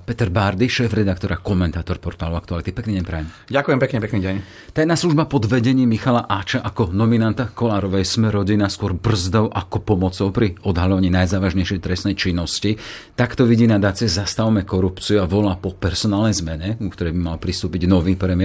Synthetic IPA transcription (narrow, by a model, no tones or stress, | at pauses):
pɛt̪ɛɾbaɾd̪iʃɛːfɾɛd̪akt̪ɔɾakɔmɛnt̪aːt̪ɔɾpɔɾt̪aːlɔʊakt̪ualit̪ipɛkniːɟɛɲpɾɛjɛm | ɟakʊjɛmpɛkɲɛpɛkniːɟɛɲ | t̪ajnaːsluʒbapɔd̪ʋɛɟɛɲiːmːixalaʔat͡ʃaʔakɔnɔminant̪akɔlaːɾɔʋɛjsmɛɾɔɟinaskʊɔɾbr̩zd̪ɔʊʔakɔpɔmɔt͡sɔʊpɾiɔd̪ɦalɔʋaɲiːnajzaːʋaʒɲɛjʃɪɛjt̪ɾɛsnɛjt͡ʃinːɔscit̪akt̪ɔʋiɟiːnad̪aːt͡siɛzast̪aʊmɛkɔɾupt͡siuaʋɔlaːpɔpɛɾsɔnaːlnɛjzmɛɲɛukt̪ɔɾɛjbimalpɾist̪uːpiɟnɔʋiːpɾɛmɪɛ